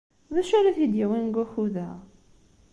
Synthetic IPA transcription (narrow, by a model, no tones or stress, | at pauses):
ðæʃæɾæθid̪jiwænɡʷæxuðæʁ